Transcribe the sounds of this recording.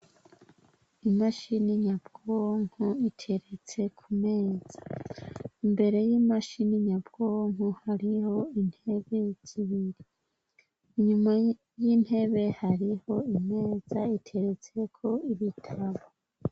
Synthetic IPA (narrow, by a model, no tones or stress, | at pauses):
imaʃiniɲabɡ̥oŋ̥huitʰe̞ɾe̞t͡se̞kʰume̞ːz̥ḁ | imbe̞ɾe̞jiːmaʃiniɲabɡ̥oŋuhaɾiho̞in̥he̞βe̞z̥iβiɾi | iɲuma | jin̥he̞βe̞haɾiho̞ime̞ːz̥aitʰe̞ɾe̞t͡se̞kʰo̞iβitʰaβo